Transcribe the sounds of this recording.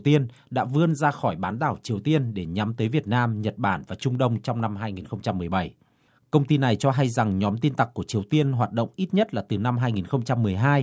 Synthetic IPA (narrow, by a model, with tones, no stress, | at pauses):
t̪i˧ən | ɗa̰ː˧˥vɨ˧ənzaː˧xɔ˧˩jɓaː˨˦nɗ̪aː˧˩wt͡ɕi˨˩əwt̪i˧ənɗe˧˩ɲa˨˦mt̪əː˨˦jvi˨˩ət̚naː˧mɲə˨˩t̚ɓaː˧˩nvaː˨˩t͡ɕʊ˧ŋ͡mɗə˧wŋ͡mt͡ɕɔ˧wŋ͡mna˧mɦaː˧jŋi˨˩nxə˧wŋ͡mt͡ɕa˧mːɨ˨˩əjɓa˧˩j | kə˧wŋ͡mt̪i˧na˨˩jt͡ɕɔ˧ɦa˧jza˨˩ŋɲɔ˨˦mt̪i˧nt̪a˨˩kːu˧˩ət͡ɕi˨˩əwt̪i˧ənɦwaː˨˩t̚ɗə̰˧˨wŋ͡mʔi˦˥t̚ɲə˦˥t̚laː˨˩t̪ɨ˨˩na˧mɦaː˧jŋi˨˩nxə˧wŋ͡mt͡ɕa˧mːɨ˨˩əjɦaː˧j